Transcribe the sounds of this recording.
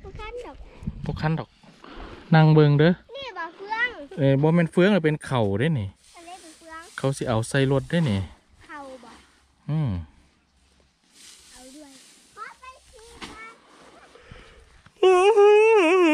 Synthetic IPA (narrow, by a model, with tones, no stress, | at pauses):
bʰɔ˧˨kʰa˧˥ndɔː˨˩k̚ | na˧˨ŋbɤ˧ŋdɤː˧˦˧ | ʔɤː˧˨˩bɔː˧˦mɛː˧˥˨nfɯ˧˥əŋa˧˩pe˨nkʰa˨˩wda˧˨ni˧˩ | kʰa˨˩wsi˧˦ʔa˨˩wsa˧˩jlo˧t̪̚da˧˥˨jni˧˩˧ | ʔɯː˧˩m˧ | ʔɯː˧h